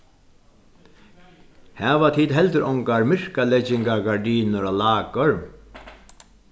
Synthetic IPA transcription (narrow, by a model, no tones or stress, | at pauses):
hɛːʋat̪ʰiːt̪ɦɛlt̪ɪɾʔɔ̰ŋkaɹmɪɹ̥kalɛt͡ʃːɪŋkaɡaɹɖiːnʊɾalaːkəɹ